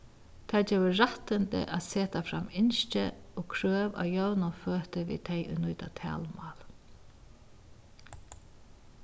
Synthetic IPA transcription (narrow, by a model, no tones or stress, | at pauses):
t̪ʰad͡ʒɛːwəɹat̪ənt̪ə̰ʔaðseːt̪afɾamːɪnʃt͡ʃə̰ɔkʰɾøːʋa̰jœwnʊføːt̪əʋḭːt̪ʰɛjʊ̰jnʊjt̪at̪ʰɛ̰ːlmɑːl